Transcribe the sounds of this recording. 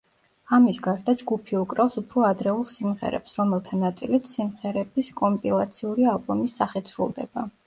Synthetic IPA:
amisɡaɾd̪ad͡ʒɡupʰiukʼɾɛfsupʰɾɔad̪ɾɛulˠsimʁɛ̰ɾɛ̰psɾɔmɛlˠt̪ʰanat̪sʼilit̪ʰsimʁɛɾɛbiskʼɔmpʼilˠat̪sʰiuɾialˠbɔmisːaχit̪sʰɾṵlˠd̪ɛ̰ba

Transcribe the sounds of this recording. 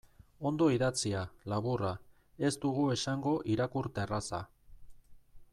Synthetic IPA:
o̞nd̪o̞iðat͡sialaβura | e̞st̪uɣue̞saŋɡo̞ʔiɾakuɾt̪e̞rasa̰

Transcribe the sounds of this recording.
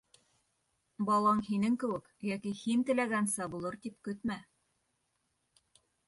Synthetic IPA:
bɑlˠɑɴhinɘŋkɘ̆wɘkjækihint̪ɘ̆læɡænsæbulˠɤɾt̪ip̚kɵt̪mæ

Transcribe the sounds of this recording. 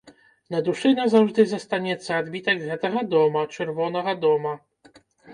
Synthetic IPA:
nad̪uʂɘnazavʐd̪ɘzast̪aɲɛt̪sad̪bʲit̪aɡzʲat̪ɛɦad̪ɔmat͡ʂɛɾvɔnaɦad̪ɔma

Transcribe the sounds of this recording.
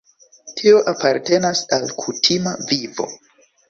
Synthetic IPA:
tʰio̞ʔapaɾte̞nasalkʰutʰimavivo̞̰

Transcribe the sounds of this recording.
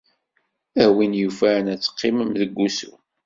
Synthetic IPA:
æhwinjufænæt͡sːə̥qʰːɪməmðəɡʷːusṵ

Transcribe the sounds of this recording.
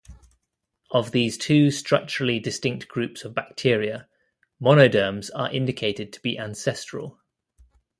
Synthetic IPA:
ʔəvðiːz̥tʰʉːstɹ̥ʌk̚t͡ʃəɹəlidɪstɪ̃ŋk̚tɡ̥ɹʉˑpsəvbak̚tʰɪəɹiə | mɒñəʊdɜːmz̥ə̰ɹʔɪ̃ndɪkʰeɪtɪd̚tʰə̥b̥iʔãnsɛstɹ̥ə̰lˠ

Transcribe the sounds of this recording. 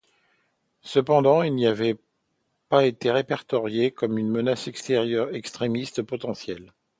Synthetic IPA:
səpɑ̃d̪ɑ̃ilniavɛ | paet̪eʁepɛʁt̪ɔʁjekɔmynmənasɛkst̪eʁjœʁɛkst̪χemist̪pɔt̪ɑ̃sjɛl

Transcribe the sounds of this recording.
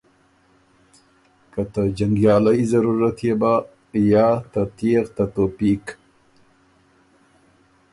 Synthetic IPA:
kat̪əd͡ʒaŋɡjɑlajzaɾuɾat̪jeba | jɑt̪at̪ieɣt̪at̪opik

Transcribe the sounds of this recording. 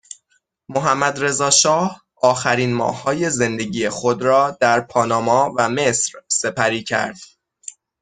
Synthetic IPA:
moɦæmːæd̪ɾe̞zɒːʃɒːh | ɒːxæɾiːnmɒ̰ːhːɒːje̞ze̞nd̪e̞ɟiːjexo̞d̪ɾɒːd̪̥æɾpʰɒːnɒːmɒːvæme̞sɾse̞pʰæɾiːcʰæ̰ɾd̪̥

